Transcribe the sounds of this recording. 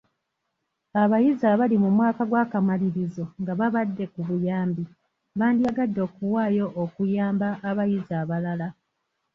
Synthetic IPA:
aβajizaβalimumwaːkaɡwaːkamaliɾizo̞ŋɡaβaβadːe̞kuβujaːmbi | βaːndiaɡadːo̞ːkuwaːjo̞ʔːkujaːmbaʔːβajizaːβalala

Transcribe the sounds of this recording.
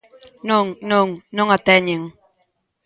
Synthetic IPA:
noŋnoŋnoŋatɛɲiŋ

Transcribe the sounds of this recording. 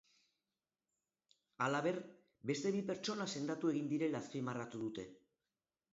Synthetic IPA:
alaβ̞e̞ɾ | be̞st̪e̞βipe̞ɾt͡ʃo̞nase̞nd̪at̪ue̞ɣind̪iɾe̞laθfimarat̪uðut̪e̞

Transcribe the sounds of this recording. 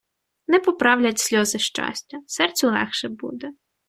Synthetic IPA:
nɛpɔpɾɑwlʲɐtʲsʲlʲɔzɪʃt͡ʃɑ̰sʲtʲɐsɛrt͡sʲʊlˠɛ̰xʃɛbṵd̪ɛ

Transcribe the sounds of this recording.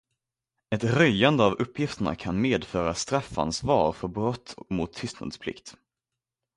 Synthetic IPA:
ɛt̪ɾœjand̪əavɵpːjɪft̪əɳa̰kʰanmeːd̪fœːɾast̪ɾafːa̰nsvɑ̰ːɾfœɾbɾɔt̪ːmʊt̪ʰːʏst̪na̰d̪spʰlɪ̰kt̪

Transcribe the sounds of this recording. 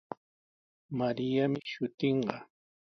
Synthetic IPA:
maɾɪjamɪʃʊt̪eɴɢɑ

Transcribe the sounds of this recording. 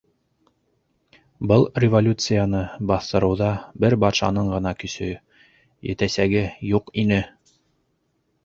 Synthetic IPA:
bɤlˠrʲɪvolʲut̪sɨjanɤbɑθt̪ɤ̆ɾɤ̆wðɑbɘɾbɑt̪ʃɑ̰nɤɴɢɤ̆nɑkɵ̆sɵ | jɘ̰̆t̪æsæɡɘjuqinɘ

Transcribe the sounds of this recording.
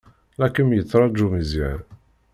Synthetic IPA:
lækːəmjət͡sːɾˤɑd͡ʒumizjæɾ

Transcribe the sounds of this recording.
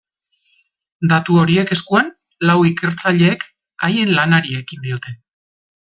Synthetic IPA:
d̪at̪uo̞ɾie̞ke̞skuan | lawike̞ɾt͡saʎe̞ːk | aje̞nlanaɾie̞kind̪io̞t̪e̞

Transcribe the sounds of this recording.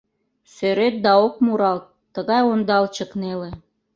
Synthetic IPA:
søɾet̪̚d̪ɑok̚muɾɑlt̪ːəɣɑjond̪ɑlt͡ɕəknelĕ

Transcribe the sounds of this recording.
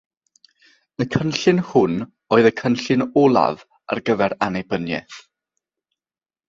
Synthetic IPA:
əkʰənɬɪnhʊn | oːɨðəkʰənɬɪnɔlˠa̰v | a̰rɡəvɛɾanebənjɛ̰θ

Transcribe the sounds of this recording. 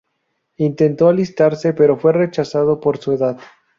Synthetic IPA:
int̪e̞nt̪oalist̪aɾse̞pe̞ɾo̞fwe̞re̞t͡ʃasaðo̞po̞ɾsue̞ðað

